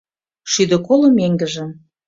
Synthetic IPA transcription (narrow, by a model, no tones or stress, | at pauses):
ʃyd̪ə̆kolŏmeŋɡə̆ʒĕ